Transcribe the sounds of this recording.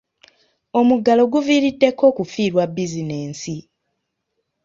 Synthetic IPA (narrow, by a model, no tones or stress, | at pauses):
o̞muɡːalo̞ɡuviːɾidːe̞kʰːo̞ːkufiːɾwabːizine̞ːnsi